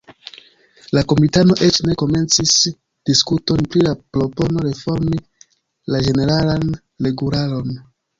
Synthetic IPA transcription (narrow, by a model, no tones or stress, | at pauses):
lako̞mitano̞ʔe̞t͡ʃne̞ko̞me̞nt͡sis | d̥iskuto̞npɾilapɾo̞po̞no̞ɾe̞fo̞ɾmi | lad͡ʒe̞ne̞ɾalan | leɡuɾalo̞n